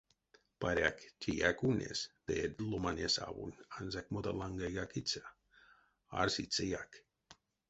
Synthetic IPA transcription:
paɾeakt͡ʃʲʰijakunʲḛsd̪ed̪lomanʲesa̰βṵnanzakmot̪alaŋɡaɡakit͡sa | a̰ɾsit͡sejak

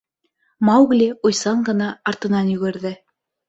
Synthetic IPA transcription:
mɑwɣlʲiujsɑɴɢɤ̆nɑːɾt̪ɤ̆nɑnjɵ̆ɡɘ̆ɾðɘ

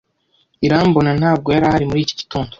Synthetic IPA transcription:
iɾambo̞nan̥aːb̚ɡo̞jaɾahaɾimuɾiːco̥ɟi̥tuːndo

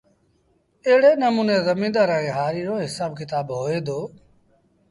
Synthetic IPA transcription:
eɦɽeːnəmũːneːzəmĩːd̪aːɾãːẽːɦaːɾiːɾoːɦɪsaːbkɪt̪aːbɦoːeːd̪oː

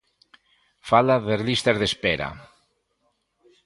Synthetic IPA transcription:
falaðerlist̪azðespeɾa̰

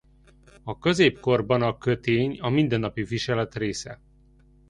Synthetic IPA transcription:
ɒkøzeːpko̞rbɒnɒkø̞t̪eːɲɒmind̪ɛnːɒpiviʃɛlɛt̪reːsɛ

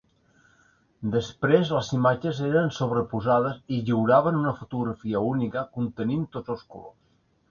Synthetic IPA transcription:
d̪əspɾezləzimad͡ʒəzeɾənsoβɾəpuzað̞əziʎiwɾaβənunəfut̪uɣɾəfiəunikəkunt̪ənint̪ozolˠskṵlo̰s

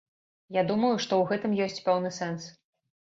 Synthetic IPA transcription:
jad̪umɐjuʂt̪ɔwɣɛt̪ɨmjɔsʲt͡sʲpɛwnɨsɛns

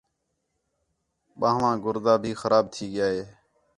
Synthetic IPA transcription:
ɓãːɦʋãːɡʊɾd̪aːbʱiːxəɾaːb̚t̪ʰiːɡɪjaːɦeː

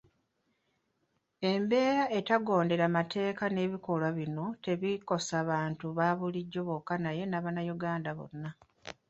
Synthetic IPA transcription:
e̞mbe̞ːɾae̞taɡo̞ːnde̞ɾamatʰe̞ːkane̞ːβiko̞lwaβino̞te̞βiko̞saβaːntuβaːβuliɟːo̞βokːanaje̞naβanajuɡaːndaβo̰nːa

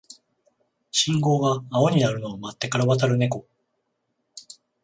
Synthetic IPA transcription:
ɕĩŋɡo̞ːɡaːo̞ɲ̟inaɾɯ̟no̞ːmat̪ːe̞kaɾaβat̪̬aɾɯ̟ne̞ko̞

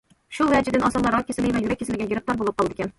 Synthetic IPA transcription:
ʃulˠvæd͡ʒɪd̪ɪnɑsɑlːˠɑɾɑkʲʰːesɪlɪvɛjyɾɛkʲːesɪlɪɡʲɛjiɾɪp̚t̪ɑɾbolˠɨp̚qɑlˠud̪ɪkʲɛn

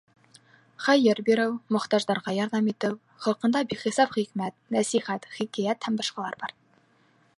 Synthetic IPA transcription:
χɑjɘɾbiɾɘwmŏχt̪ɑʒðɑɾʁɑjɑɾðɑmit̪ɘw | χɑlˠqɤ̆nd̪ɑbikχisɑpχikmæt̪næsiχæt̪χikæjæt̪hæmbɑʃqɑlˠɑ̰ɾbɑɾ

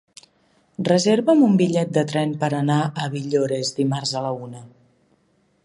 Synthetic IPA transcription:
rəzeɾβəmumbiʎɛt̪̚d̪ət̪ɾɛmpəɾənaʔəβiʎoɾezd̪imarzələunə

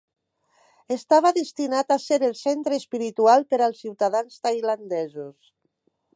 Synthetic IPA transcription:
est̪aβ̞aðest̪inat̪aseɾelˠsent̪ɾeːspiɾit̪ualˠpeɾalˠsːiwt̪aðanst̪ajland̪ɛzus

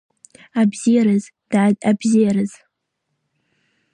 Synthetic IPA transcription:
abziɾɨz | d̥adabziaɾɨz̥

